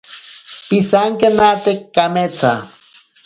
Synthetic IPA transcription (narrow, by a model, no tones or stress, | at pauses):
pisaŋkenat̪ekːamet͡sa̰